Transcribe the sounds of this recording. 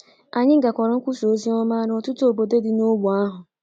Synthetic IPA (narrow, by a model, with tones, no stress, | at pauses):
a˨ɲɪ˦ɡa˨kʷɔ˨ɾɔ˨˦kʷu˦so˦zi˦ɔ˦ma˦ɾɔ˨tʊ˦to˨bo˨de˦dɪ˨no˦wu˨a˦ɦʊ˨